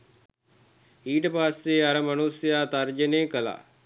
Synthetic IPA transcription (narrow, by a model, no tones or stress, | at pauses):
iːʈəpaːseːɐɾəmɐnusjaːt̪ɐɾd͡ʒəneːkəla̰ː